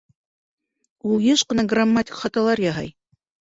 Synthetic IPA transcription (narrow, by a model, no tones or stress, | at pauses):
ulˠjɤʃqɤ̆nɑɡramːatʲɪ̥kχɑt̪ɑlˠɑɾjɑɦɑ̰j